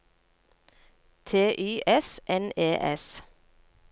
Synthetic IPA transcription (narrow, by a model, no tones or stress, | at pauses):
t̪ʰeːʔyːʔɛsʔɛneːʔɛs